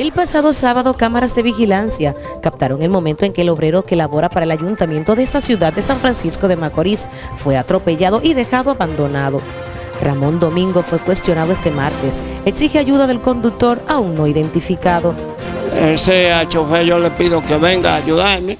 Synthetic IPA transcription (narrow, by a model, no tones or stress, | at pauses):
e̞lpasaðo̞saβaðo̞kamaɾazðeβixilansja | kap̚t̪aɾo̞ŋe̞lmõ̞mẽnt̪o̞eŋke̞ːlo̞βɾe̞ɾo̞kelaβo̞ɾapaɾaelaʝunt̪amje̞nt̪o̞ðe̞est̪asjuðad̪̚d̪e̞saɱfɾansisko̞ðe̞mako̞ɾis | fwe̞at̪ɾo̞pe̞ʝaðo̞ʔiðe̞xaðoaβand̪o̞naðo̞ | ramõ̞nd̪o̞mĩŋɡo̞fwe̞kwe̞st̪jo̞naðo̞e̞st̪e̞maɾt̪e̞s | eksixeaʝuðaðe̞lko̞nd̪uk̚t̪o̞ɾauŋno̞iðe̞nt̪ifikaðo̞ | eseat͡ʃofeʝolepiðokeβeŋɡaːʝuðaɾme